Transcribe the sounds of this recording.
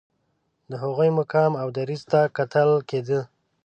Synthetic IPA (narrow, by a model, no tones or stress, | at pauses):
d̪əɦaɣujmʊkɑmawd̪aɾizt̪akat̪əlked̪ə